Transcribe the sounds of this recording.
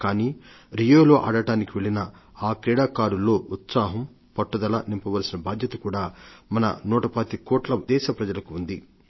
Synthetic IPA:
kaːniː | ɾijoːlo̞ːʔɐːɽɐʈaːnikiʋeɭinɐ | aːkɾɛːɽaːkaːɾulːo̞ːut̪saːɦɐm | pɐʈːud̪ɐlɐnimpɐʋɐlɐsinɐbaːd̪ʱjɐt̪ɐkuːɽaːmɐnɐ̰nuːʈɐpat̪ikoːʈlɐd̪ɛːʃɐpɾɐd͡ʒɐlɐkuund̪i

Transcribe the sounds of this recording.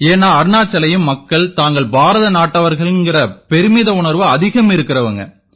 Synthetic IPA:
eːnːaːɐɾɯnaːt͡ʃːɐlɐjɯmːɐkːɐɭt̪aːŋɡɐɭbʱaːɾɐðɐnaːʈːɐʋɐɾɣɐɭɪnɡɪrɐpɛɾɯmɪðɐʊɳɐɾʋɯɐðɪɣɐmɪɾɯkːɪrɐʋɐŋɡɐ̰

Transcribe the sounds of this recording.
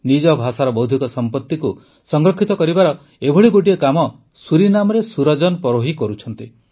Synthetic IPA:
nid͡ʒɔbʱasaɾɔbɔwd̪ʱikɔsɔmpɔt̪ːiku | sɔŋɡɾɔkʰit̪ɔkɔɾibaɾɔ | ebʱɔɽiɡoʈ̬iɔkamɔ | suɾinamɔɾesuɾɔd͡ʒɔnɔpɔɾoɦikɔɾut͡ʃʰɔnt̪i

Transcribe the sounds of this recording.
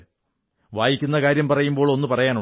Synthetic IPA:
ʋaːjikʲːunːɐkaːɾjɐmpɐrɐjumbo̞ːɭo̞nːɨpɐrɐjaːnu

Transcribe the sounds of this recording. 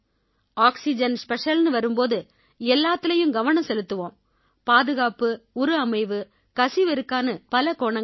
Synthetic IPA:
aːksɪd͡ʒɐnspɛʂɐlnɯʋɐɾɯmpoːðɯ | ɛlːaːt̪ːɪlɐjɯmɡɐʋɐnɐ̃sɛlɯt̪ːɯʋõːm | paːðɯɣaːpɯɔɾɯɐmɐɪʋɯ | kɐsɪʋɪɾɯkːaːnɐpɐlɐkoːɳɐŋ

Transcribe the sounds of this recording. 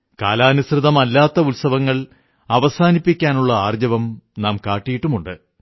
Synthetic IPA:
ka̰ːlaːɐnusrɨðɐmɐlːaːt̪ːɐutsɐʋɐŋːɐɭ | ɐʋɐsaːnipːikʲːaːnuɭːɐaːrd͡ʑɐʋɐmnaːmkaːʈːijiʈːumuɳɖɨ

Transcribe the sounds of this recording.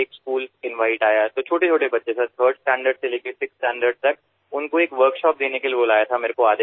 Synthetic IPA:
eːkskuːlsɪ̃nʋaːɪʈaːjaɦɛt̪ot͡ʃʰoːʈet͡ʃʰoːʈebɐtːʃesat̪ʰəːɾɖsʈɛ̃ːɳɖəɾɖseleːkʰesɪksʈɛ̃ːɳɖəɾɖt̪ɐk̚ | ʊnkoeːkʋəɾkʃɔːp̚d̪eːnekeliboːlaːjat̪ʰameːɾekoaːd̪e

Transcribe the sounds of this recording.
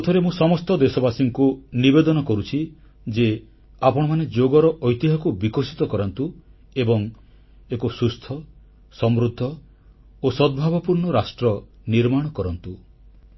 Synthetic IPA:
ɔt̪ʰɔɾemũsɔmɔst̪ɔd̪esɔbasiŋkunibed̪ɔnɔkɔɾut͡ʃʰi | d͡ʒe | apɔɽ̃ɔmaned͡ʒoɡɔɾɔʔɔjt̪iɦakubikɔsi̥t̪ɔkɔɾɔnt̪u | ebɔŋ | ekosust̪ʰɔ | sɔmɾud̪ʱːɔ | osɔd̪̚bʱabɔpuɾɳɔɾasʈɾɔ | niɾmaɽ̃ɔkɔɾɔnt̪u

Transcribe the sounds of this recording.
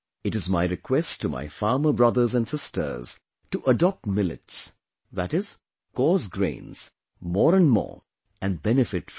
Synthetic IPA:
ɨɾɨzmaɪɹɨkʰwɛstʰuma̰ɪfɑːməbɹʌðə˞zæ̃nsɪstʰə̰˞z̥ | tuʔədɔp̚tmɪlɪ̰ts | ðæɾɪz̥ | kɔːzɡɹḛ̃ɪ̃nz̥ | mɔːɾə̃nmɔ̰ːɹ | æ̃nbɛnɨfɪt

